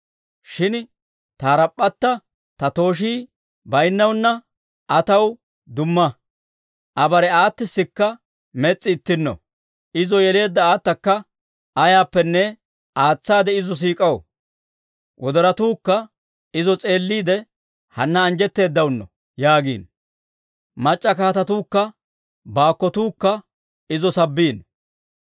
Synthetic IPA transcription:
ʃɪn | t̪aːɾɐpʼːɐt̪ːɐ | t̪ɐt̪o̞ːʃ̬iː | bɐjnːɐwnːɐ | ʔɐt̪ɐw | d̪ʊmːɐ | ʔɐbɐɾɛaːt̪ːɪsːɪkːɐ | mɛt͡sʼːɪːt̪ːɪnːɔ̰ | ɪzɔjɛle̞ːd̪ːɐaːt̪ːɐkːɐ | ʔɐjaːpːɛnːɛ | ʔaːt͡sːaːd̪ɛɪzɔs̬iːkʼɐwɔ̰ | wʔɔd̪ɔɾɐt̪uːkːɐ | ɪzɔt͡sʼe̞ːlːiːd̪ɛ | hɐnːɐːnd͡ʒɛt̪ːe̞ːd̪ːɐwʊnːɔ̰ | jaːɡḭːn | mɐt͡ʃʼːɐkaːt̪ɐt̪uːkːɐ | baːkːɔt̪uːkːɐ | ɪzɔsɐbːiːn

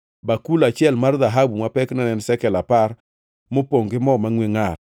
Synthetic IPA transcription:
bakulat͡ʃjɛlmaɾðaɦabumapɛknɔnɛnsɛkɛlapaɾ | mopoŋɡɪmɔmaŋweŋat̚

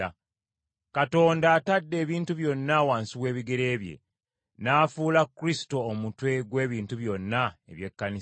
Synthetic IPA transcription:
a | kato̞ːndaːtadːe̞ːβiːntuβjo̞nːawaːnsiwe̞ːβiɡe̞ɾe̞ːβje̞̰ | naːfuːlakːuɾisi̥to̞ːmutwe̞ɡwe̞ːβiːntuβjo̞nːae̞̰βje̞kːani

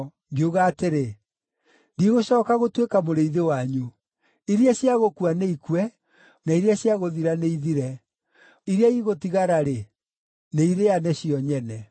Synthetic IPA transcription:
ŋɡeuɣaːteɾe | ndiɣoɕɔːkaɣotwekamoɾeiðewaɲu | iɾiaɕjaɣokuaneikwɛ | naiɾiaɕjaɣoðiɾaneiðiɾɛ | iɾiaiɣotiɣaɾaɾe | neiɾeanɛɕijɔɲɛnɛ

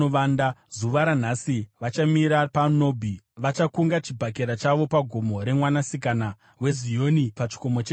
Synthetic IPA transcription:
oʋaːndazuʋaɾan̤asiʋat͡ʃamiɾapano̞bʱiʋat͡ʃakuŋɡat͡ʃibʱake̞ɾat͡ʃaʋo̞paɡʱo̞mo̞ɾe̞mwanasikana | we̞zijonipat͡ʃi̥ko̞mot͡ʃe

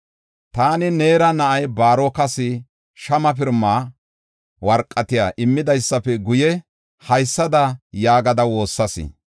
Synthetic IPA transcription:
t̪aːnɪne̞ːɾɐnɐʔɐjbaːɾɔkɐsɪ | ʃɐmɐp̬ɪɾmaː | wɐɾkʼːɐt̪ɪja̰ːʔɪmːɪd̪ɐjsːɐpɛɡʊjɛ | hɐjsːɐd̪ɐjaːɡɐd̪ɐwo̞ːsːɐsɪ̰

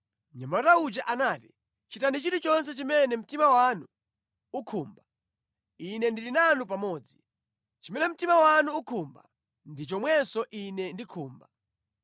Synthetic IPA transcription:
ɲamataut͡ʃaʔanaːti | t͡ʃʰitandit͡ʃiɾit͡ʃɔns̬ɛt͡ʃimɛnɛm̩timawanu | ukʰuːmba | inɛndilinanupamɔːd͡zi | t͡ʃimɛnɛm̩timawanuːkʰumba̰ | ndit͡ʃɔmwɛsɔʔinɛndikʰuːmba

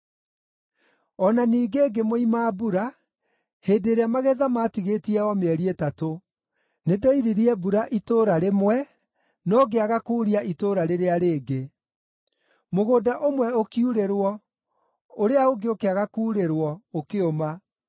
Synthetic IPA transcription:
ɔnaniːɡeːɡemoimaːbuɾa | heːdeːɾeamaɣɛðamaːtiɣeːtiɛɔmɛɾietato | nedɔiɾiɾiɛbuɾaʔitoːɾaɾemwɛ | nɔɡeaɣakuːɾiaʔitoɾaɾeɾeaɾeːɡe | moɣoːdaʔomwɛokiuɾeɾwɔ | oɾeaoɡeokeaɣakuːɾeɾwɔokeoma

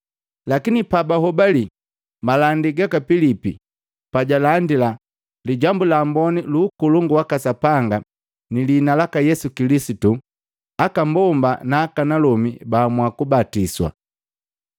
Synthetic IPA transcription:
lakinipabahɔbali | malandiɡakapilipḭ | paɟalandila | liɟambulaːmbɔniluːkuluŋɡuwakasapaŋɡa | niliːnalakajɛsukilisitu | akambɔmba̰naːkanalɔmibamwakubatiswa̰

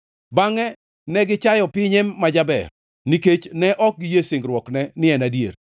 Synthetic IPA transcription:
baŋɛ | nɛɡɪt͡ʃajɔpɪɲɛmːad͡ʒabɛ̰r | niket͡ʃnɛʔɔk̚ɡijesɪŋɡɾwɔknɛnɪɛnadjḛɾ

